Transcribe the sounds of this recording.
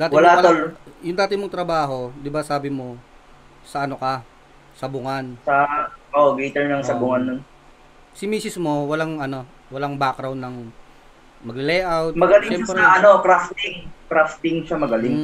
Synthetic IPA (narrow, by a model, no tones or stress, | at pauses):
d̪aːtwɪɐlat̪oljʊŋd̪aːt̪ɪmoŋt̪ɾɐbaːɦo̞d̪ɪbasaːbɪmo̞ | sɐʔɐnokɐ | sɐbʊŋansɐʔoʔoɡit̪ɛɹnɐŋɐbʊŋanːon | sɪmiːsɪsmo̞wɐlaŋʔɐno̞ | wɐlaŋbakɾawnːɐŋ | mɐɡɪlɛjʔawt̪mɐɡɐlɪʃɛmpɾɛɐʔɐnokɾaft̪ɪŋkɾaft̪ɪŋʃamɐɡɐlɪŋm